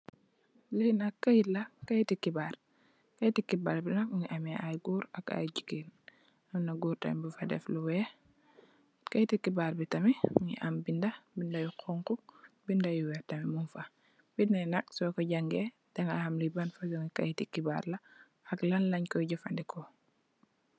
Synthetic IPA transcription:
linɐkːɐjilɐkɐjtikibaːr | kɐjtikibaːɾbinɐk̚uŋiʔamɛʔajɡuːɾɐka̰jɟikiːn | ɐmnɐɡuːɾtɐ̰mbufɐdɛ̰fluwɛː | kɐjtikibaɾbitɐmiuɲḭʔambindɐbindɐjuqʰɔŋkubindɐjuwɛtɐmimunfɐ | b̥itnɐjnɐk̚sɔkɔɟɐŋɡɛ | dɐŋa̰hɐmlibanfad͡ʒɔŋikɐjtikiba̰ːɾlɐ | ɐklɐnlɐɲkɔjɟɐfandikɔ

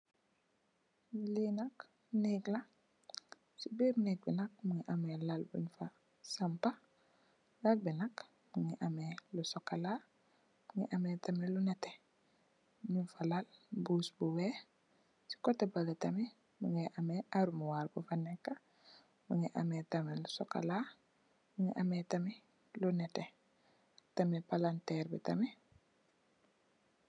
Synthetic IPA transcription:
linak | nikla | sibiɾnek̚binak̚muŋiʔamelalbṵɲfa | sampa | ɡak̚binak | muŋiʔamelusokːala | muŋḭʔametamelunete̥ | minfalalbuːsbuwe | si̥kotebalatame | muŋeʔameʔaɾumuwaɾbufanekːa | muŋeʔametamelusoka̰la | muŋeʔametami | lunɛte | tamepalantɛɾbḭtame

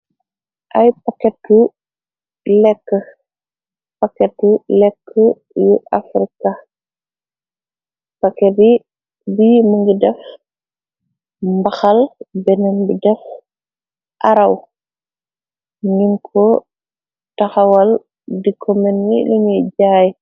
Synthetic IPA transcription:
ʔɐjpakɛt̚ːu | lɛkːə | pakɛtulɛkʰːə | juʔafɾika | pakɛdi | biməŋɡidɛf | mbɐxɐlbɛnɛnbidɛf | ʔaɾɐw | ɲiŋkʰɔ | tɐxɐwɐl | dikʰɔmɛnːiluɲiɟaːj

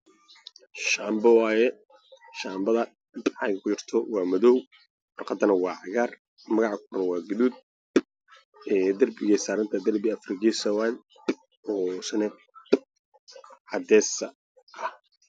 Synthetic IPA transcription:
ʃaːmbɐwɑːjɛ | ʃaːmbɐðɐ | ʕɑjkɐkʰʊt͡ʃɪrt̪ʰɔwɑːmɐðɔw | wɔrqɑd̪ɐnɐwɑːʕɑɣaːr | mɐɣɑʕkʰʊɾɐwɑːɡɪduːd̪̚ | ɛːd̪ɐrbɪɣɛsaːɾɐnt̪ʰɐd̪ɐrbɪɐfrɪɡisɐwal | ɔːsɐnɛ | ʕɑd̪ɛːsɐ | ʔɐh

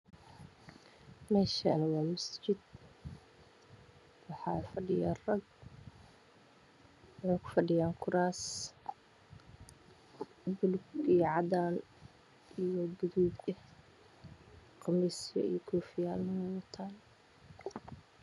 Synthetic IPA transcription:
mɛːʃa̰nɐwɑːmɐst͡ʃɪd̪ | wɑħɑːfɐɖɪjaːrɐɡ̚ | wɑħɑːkʰʊ̥fɐɖɪjaːŋkʰʊɾaːs | bʊlɡijʕɑðaːn | ijɔɡʊðuːɡɛh | qɑmɛsjɐ̰ḭjɔkʰuːfɪjaːlnɐwɛwɐt̪ʰaːn

